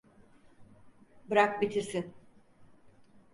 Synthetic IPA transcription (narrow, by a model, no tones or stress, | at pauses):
bɯɾak̚bit̪ʰisi